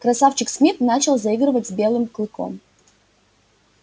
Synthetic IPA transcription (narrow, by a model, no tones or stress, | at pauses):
kɾɐsaft͡ɕɪksmʲit̪nat͡ɕɪlˠzɐiɡɾɨvətʲzbʲelˠɨmklˠɨko̰m